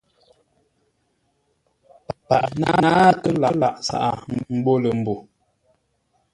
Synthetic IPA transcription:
pa˨ʔna˦aː˦tə˦la˦la˨ʔsa̰˨ʔa˨m̩˦bo˦lə˨m̩˨bo˨

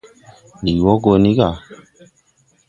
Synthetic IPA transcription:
ni˨wɔ˦ɡo˧ni˦ɡa˨

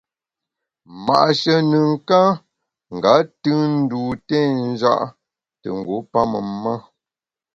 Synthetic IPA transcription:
ma̰˨ʔʃə˨nə˨ŋ̩˦˨ka˦ | ŋ̩˨ɡa˨˦tɨ˦n̩˦du˨tɛ˦˨n̩˦d͡ʒa̰˦ʔ | tə̰˨ŋ̩˨ɡo˨˦pa˦mə̰˨m˦ma˦

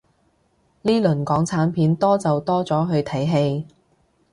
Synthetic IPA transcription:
liː˥lɵ˨˩nkɔː˨˥ŋt͡sʰaː˨˥npʰiː˨˥nt̪ɔː˥t͡sɐ˨wt̪ɔː˥t͡sɔː˨˥ɦɵ˨˧ɥt̪ʰɐ˨˥jɦe˧j

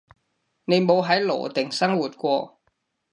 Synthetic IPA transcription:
ne˧nɓo˧˦ɦaː˨˥jlo̰˧˨t̪e˨˩ŋsaː˧˥ŋwu˨˩t̚kwɔ˧˩

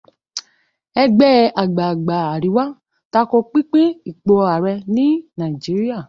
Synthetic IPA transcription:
ɛ˧ɡ͡bɛ˦a˨ɡ͡ba˨ɡ͡ba˨a˨ɾi˨˦wa˦ | ta˧kɔ˧k͡pi˦k͡pẽ˦i˦˨k͡pɔ˨˧a˨ɾɛ˧nĩ˦nã˨i˨d͡ʒi˨˦ɾi˦a˦˨

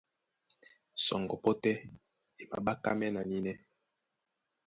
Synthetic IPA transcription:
sɔ̰˨ŋɡɔ˨po˦tɛ˦ | e˨ma̰˨ba˦ka̰˦mɛ˦na˨ni˦nɛ˦

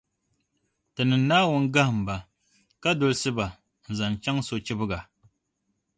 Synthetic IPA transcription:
tɨ˨nɨ˨n˦nːaː˦wʊ˦nɡa˦hɨ˨m̩˨ba˨ | ka˦dʊ˨lsɨ˦ba˨ | n̩˨za˨n˨t͡ʃa˦ŋso˨t͡ʃɪ˦bɨ˦ɡa˨

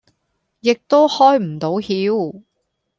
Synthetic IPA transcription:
jɪ˨k̚t̪o˥whɔː˥jm̩˨˩t̪o˨˥whiː˨˥w

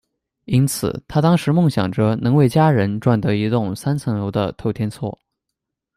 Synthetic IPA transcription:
i˥nt͡sʰɹ̩̰˨˩t̪ʰa˥t̪ɑ˥ŋʂɻ̩˧˥mʊ˥˩ŋɕjɑ̰˨˩ŋʈ͡ʂɤ˥nɤ˧˥ŋwe˥˩ɪt͡ɕja˥ɻə˧˥nʈ͡ʂwa˥˩nt̪ɤ˧˥i˧˥t̪ʊ˥˩ŋsa˥nt͡sʰɤ˧˥ŋjo˧˥ʊd̪ə̰˧t̪ʰo˥˩ʊt̪ʰjɛ˥nt͡sʰwɔ̰˥˩

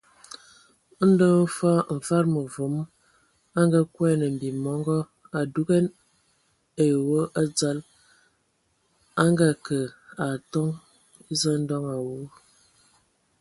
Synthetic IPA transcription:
n̩˦də˦ŋ˦fa˦ɱ̩˨fa˦ɾmə˨və˨˦m | a˦ŋɡa˦kwɛ˦nə˨m̩˨bi˨mɔ˦ŋɡɔ˦ | a˨du˦ɡɛ˦n | e˨wo˦ʔa˦d͡za˦l | a˦ŋɡa˦kə˨a˨tɔ˦ŋ˦ | zə˦n̩˦dɔ˦ŋa˨wu˦

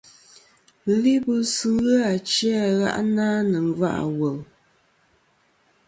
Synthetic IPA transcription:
li˦bɨ˦sɨ˦ɣɨ˦a˨t͡ʃa˦˨ɣa̰˦ʔnaː˦nə˨ŋ˨va̰˦ʔa̰˨wə˨l

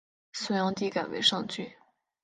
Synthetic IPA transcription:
su˥jɑ˥ŋt̪i˥ka˨˩wḛ˧˥ɪʂɑ˥˧ŋt͡ɕy˥˩

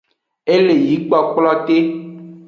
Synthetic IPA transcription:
e˦le˨ji˨˦k͡pa˦k͡pla˦te˦

